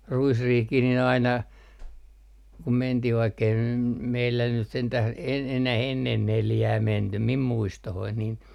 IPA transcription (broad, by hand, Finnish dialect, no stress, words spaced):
ruisriːhkih nin ɑinɑ kum mentih ʋɑikːei nym meilːæ nyt sentæh e enæh enːen neljæː mentym mim muistohoin nin